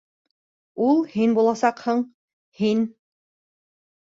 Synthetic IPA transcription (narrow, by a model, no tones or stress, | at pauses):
ulˠhinbulˠɑsɑqhɤ̆ɴ | hin